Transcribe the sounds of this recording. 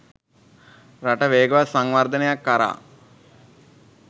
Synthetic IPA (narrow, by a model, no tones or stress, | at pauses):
raʈəʋeːɡɐʋasaŋʋaɾd̪ənejakːaɾa̰ː